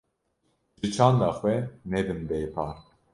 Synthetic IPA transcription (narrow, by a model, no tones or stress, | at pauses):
ʒɨt͡ʃʰɑ̃ːnd̪ɑxwɛnɛbɨnbɛjpʰɑː